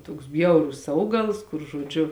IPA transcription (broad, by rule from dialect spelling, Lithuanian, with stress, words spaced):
toːks ˈbʲjɛʊrʊs ˈɐʊɡɐlˠs kʊr ʒoːˈd͡ʒʲʊ